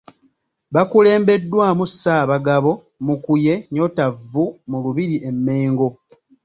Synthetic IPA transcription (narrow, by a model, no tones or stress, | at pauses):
βakule̞ːmbe̞dːwaːmusːaːβaɡaβo̞ | mukuje̞ɲo̞tavːumuluβiɾiʔe̞mːe̞ːŋɡo̞